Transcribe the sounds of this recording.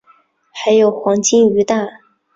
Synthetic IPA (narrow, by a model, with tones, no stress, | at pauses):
xa˧˥ɪjo˨˩ʊxwɑ˧˥ŋt͡ɕi˥ŋy˧˥t̪a˥˩